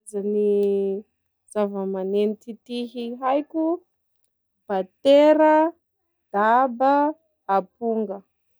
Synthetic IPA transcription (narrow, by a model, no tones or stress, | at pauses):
zani | z̥avəmanenit̪it̪iɦiɦajkʲu | bat̪eɾə | d̪̥abəː | puŋɡə